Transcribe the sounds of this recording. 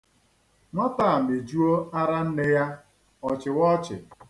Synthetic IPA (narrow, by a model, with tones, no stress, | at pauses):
ŋʷa˦ta˦a˨m̩˨e˨d͡ʒu˦o˦a˦ɾa˦n̩˦nɪ˦ja˦ | ɔ˨t͡ʃɪ˨wɔ˦t͡ʃɪ̰˨